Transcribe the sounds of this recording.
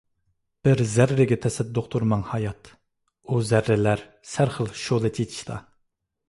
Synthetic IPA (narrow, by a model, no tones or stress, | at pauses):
b̥ɪɾzæɾɾɪɡʲɛt̪ʰɛsɛd̪ːʊqt̪ʰuɾmɑŋhɑjɑt̪ | uzæɾːɪlæɾ | sæɾχəlˠʃolˠɨt̪ʲʰet̪ʰi̥ʃt̪ʰɑ